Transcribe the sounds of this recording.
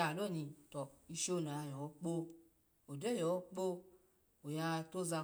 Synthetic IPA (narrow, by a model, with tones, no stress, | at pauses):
a˨lo˦˨nĩ˨tɔ˨i˧ʃo˦˨na˨˧˨jɔ˨ɔ˨˦k͡po˦ | o˨dɛ˦˨jɔ˨ɔ˦k͡po˦ | o˨ja˧to˦za˧